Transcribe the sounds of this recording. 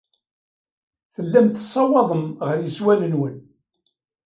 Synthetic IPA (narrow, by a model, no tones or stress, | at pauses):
θəlːæmt̪sˤːɑwɑðˤəmʁəɾjəswænənwən